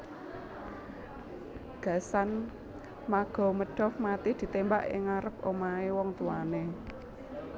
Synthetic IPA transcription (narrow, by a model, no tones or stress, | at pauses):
ɡ̥a̤san | maɡ̥ɔ̤məɖ̥ɔ̤fmat̪id̪̥i̤t̪embaʔɪ̰ŋaɾəpomaewɔŋt̪uwane